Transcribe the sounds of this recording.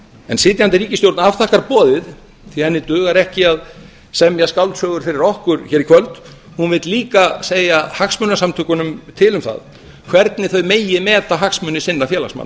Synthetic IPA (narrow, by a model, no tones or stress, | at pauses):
ɛnsɪːt̪jant̪ɪɾiːcɪst̪jowɾt̪nafθahkaɾpɔːðɪð | θiɛnːɪt̪ʏːɣaɾɛhcɪað | sɛmjɛskawlt̪sœːɣʏɾ̥fɪɾɪɾɔhkʏɾçɛːɾikʰvœlt̪ | hunvɪt̪liːkaseːjahaksmʏnasamt̪ʰʏkʏnʏmt̪ʰɪlʏmθa̰ð | kʰvɛɾt̪nɪθœɥmeːjɪmɛːt̪aɦaksmœːnɪsɪnːafjɛːla̰sma̰nː